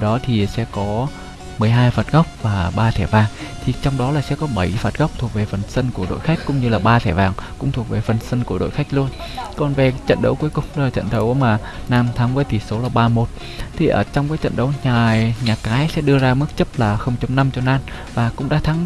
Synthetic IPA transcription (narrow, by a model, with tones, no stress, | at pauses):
ɗɔ˨˦t̪ʰi˨˩sɛ̰˧˥kɔ˨˦ | mɨ˨˩əjɦaː˧jfaː˨˩t̚ɣa˦˥wk͡p̚vaː˨˩ɓaː˧t̪ʰɛ˧˩vaː˨˩ŋt̪ʰi˨˩t͡ɕɔ˧wŋ͡mɗɔ˨˦laː˨˩sɛ̰˧˥kɔ˨˦ɓə˧˩jfaː˨˩t̚ɣa˦˥wk͡p̚t̪ʰu˨˩ək̚ve˨˩fə˨˩nsə˧nku˧˩ɗo̰˧˨jxa˦˥jk̟̚kʊ̰˧˥ŋ͡mɲɨ˧laː˨˩ɓaː˧t̪ʰɛ˧˩vaː˨˩ŋkʊ̰˧˥ŋ͡mt̪ʰək̚ve˨˩fə˨˩nsə˧nku˧˩ɗo̰˧˨jxa˦˥jk̚lu˧ənkɔ˨˩nve˨˩t͡ɕə̰˧˨nɗə̰˧˦wku˨˦əkʊ˨˩ŋ͡mlaː˨˩t͡ɕə̰˧˨nt̪ə˨˦wmaː˨˩ | naː˧mt̪ʰaː˨˦ŋvəː˨˦jt̪ʰi˨˩so˨˦laː˨˩ɓaː˧mo˨˩t̚ | t̪ʰi˨˩ʔəː˧˩t͡ɕɔ˧wŋ͡mkaː˨˦jt͡ɕə̰˧˨nɗə̰˧˦wɲaː˨˩ɲaː˨˩kaː˨˦jsɛ̰˧˥ɗɨ˧əzaː˧mɨ˦˥k̚t͡ɕə˦˥p̚laː˨˩xə˧wŋ͡mt͡ɕə˧wŋ͡mna˧mt͡ɕɔ˧naː˧n | vaː˨˩kʊ̰˧˥ŋ͡mɗaː˧˦t̪ʰa˨˦ŋ